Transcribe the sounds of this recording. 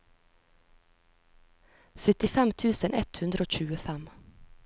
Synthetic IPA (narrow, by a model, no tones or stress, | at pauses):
sœt̪ɪfɛmt̪ʰʉːsənʔɛt̪hʉnd̪ɾəoːc͡çʉːəfæm